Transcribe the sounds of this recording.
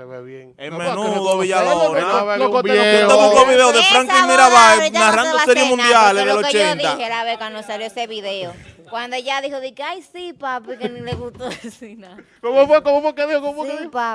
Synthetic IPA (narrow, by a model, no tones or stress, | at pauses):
e | eŋmenuðoβiʝalona | eoukoβiðeoðefɾaŋkemiɾaβaenarand̪oseɾjemũnd̪jaleðelot͡ʃent̪aelaβekwand̪osaljoeseβiðeokwand̪oʝaðihoðekeajsipapekenileɣust̪oesinakomofwekomofwekeðiokomofweipa